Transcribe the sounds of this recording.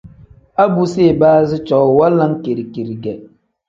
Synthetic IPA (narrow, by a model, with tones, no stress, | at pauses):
a˦bu˨se˦˨baː˦zɪ˦t͡ʃɔ˨wwa˦lːa˦ŋ˦ke˨ɾi˨ki˨ɾi˨ɡɛ˨